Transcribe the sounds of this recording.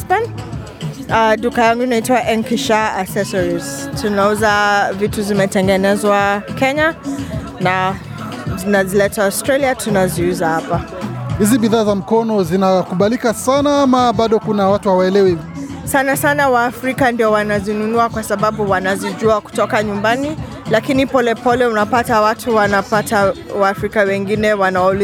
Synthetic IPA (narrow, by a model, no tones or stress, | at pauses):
span | aɗukajaŋɡunaitiwaʔɛŋkiʃaasɛsɔɹiz̥tʰunauzavituzimɛtɛŋɡɛnɛzwakɛɲa | na | zinazilɛtaastɾɛliatʰunaziuzahapa | hiziɓiðaːzam̩kɔnɔzinakuɓalikasanaamaɓaɗɔkunawatuhawaɛlɛwi | sanasanawaːfɾikandiɔwanazinunuakwasaɓaɓuwanaziʄuaku̥tɔkaɲumbani | lakinipɔlɛpɔlɛunapatawatʰuwanapatawaːfɾikawɛŋɡinɛwanaɔl